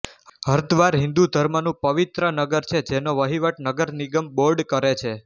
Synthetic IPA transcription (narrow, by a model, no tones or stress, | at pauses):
ɦəɾd̪ʋaɾɦɪ̃nd̪ud̪ʱəɾmənũpəʋit̪ɾənəɡəɾt͡ʃʰed͡ʒenoʋəɦiʋəʈnəɡəɾniɡəmboɾɖkəɾet͡ʃʰe